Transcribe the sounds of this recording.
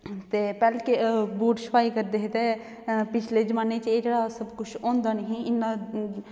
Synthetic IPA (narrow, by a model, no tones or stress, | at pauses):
t̪eːpɛːlekebuːʈsəpaːikəɾd̪eːɦet̪e | pɪt͡ʃʰled͡ʒəmaːneːt͡ʃeːd͡ʒeːɽasəbkʊt͡ʃʰɔ̃ːnd̪aːnɦĩɪnːa